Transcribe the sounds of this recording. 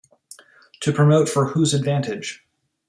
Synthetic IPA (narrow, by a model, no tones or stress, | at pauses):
tʰɨpʰɹ̥ɨmoʊtfə˞huzɨdvæ̃ntɪd̥ʒ̥